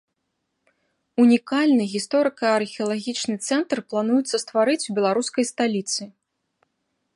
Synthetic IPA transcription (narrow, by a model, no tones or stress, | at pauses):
unʲikalʲnɨɣʲist̪ɔɾɨkɐɐrxʲɛɐlˠaɣʲit͡ʂnɨt̪sɛnt̪rplˠanujut̪sːɐst̪vaɾɨt͡sʲubʲɛlˠaɾuskɐjst̪alʲit̪sɨ